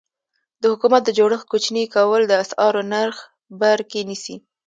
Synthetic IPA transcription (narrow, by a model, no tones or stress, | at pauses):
d̪əhʊkumat̪̚d̪əd͡ʒoɽəxkut͡ʃnikawəld̪əasɑɾonaɾx | baɾkenisi